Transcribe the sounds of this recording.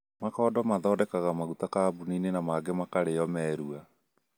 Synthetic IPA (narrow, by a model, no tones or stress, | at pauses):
makɔːdɔmaðɔdɛkaɣamaɣutakabuninenamaɡɛmakaɾeɔmɛːɾua